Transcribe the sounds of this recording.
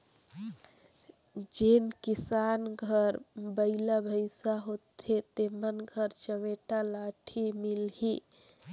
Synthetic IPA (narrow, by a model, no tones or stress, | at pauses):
d͡ʒenkisanɡʱəɾbəɪlabʱəɪsaɦot̪ʰet̪emənɡʱəɾt͡ʃəmeʈalaʈʰimilhi